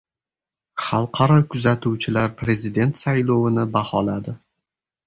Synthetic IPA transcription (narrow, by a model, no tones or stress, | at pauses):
χɑlˠqʰɑɾɒkʰʊzat̪ʰuwt͡ʃʰɪlaɾpʰɾe̞zid̪e̞nt̪sajlˠɒwɪnɪbahɒlad̪ɪ